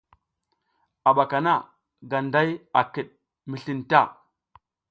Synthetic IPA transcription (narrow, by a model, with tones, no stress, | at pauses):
a˨ɓa˨ka˨na˦˨ | ɡa˨nda˦ja˨ki˨ɗ | mi˨ɬi˨nta˦˨